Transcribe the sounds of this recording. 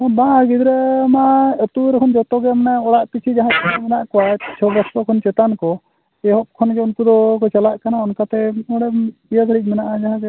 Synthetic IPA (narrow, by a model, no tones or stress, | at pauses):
ɔbãɡid̪ɾɛmaət̪uɾɛkʰɔnd͡ʒɔt̪ɔɡɛmɛnaɔɽaʔpit͡ʃʰid͡ʒaɦãt͡ʃʰɔmɛnaʔkɔwat͡ʃʰɔbɔst̪ɔkʰɔnt͡ʃɛt̪ankɔ | ɛɦɔp̚kʰɔnd͡ʒɔunt̪ud̪ɔkɔt͡ʃalaʔkanaɔnkat̪ɛɔɽɛiət̪ʰəɽic̚ˀmɛnaʔad͡ʒaɦãkɛ